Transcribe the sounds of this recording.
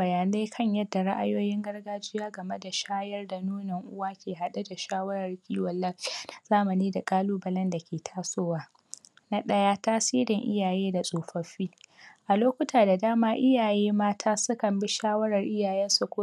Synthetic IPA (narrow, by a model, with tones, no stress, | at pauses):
bɐ˨jaː˨na˦jkʰɐ˦ɲjɐ˦dːa˨ɾa̰˦ʔa˦joː˦jɪ˦ŋɡɐ˦rɡaː˦d͡ʒɪ˦jaː˦ɡɐ˨me˦da˨ʃaː˦jɐ˦rda˨nuː˦nɐ˨ŋʔʊ˦waː˦kʲeː˨ɦa˨ɗa˦da˨ʃaː˦wɐ˦ɾɐ˨rkʲʼiː˦wɐ˨lːɐ˦ɸi˦˨z̥aː˦mɐ˨niː˦da˨kʼaː˦luː˦bɐ˦lɐ˦nda˨kʲʰeː˨tʰaː˦soː˦waː˦ | na˦ɗɐ˦jaː˦taː˦siː˦ɾɪ˨ŋʔɪ̰˦jaː˨jeː˦da˨sʼoː˨ɸɐ˨ɸiː˦ʔa˨loː˦kʷʊ˦tʰaː˨da˨daː˦maː˦ʔɪ˦jaː˨jeː˦maː˦tʰaː˦sʊ˦kɐ˨mbɪ˦ʃaː˦wɐ˦ɾɐ˨rʔɪ˦jaː˨jɛ˦nsu˦kʷo˦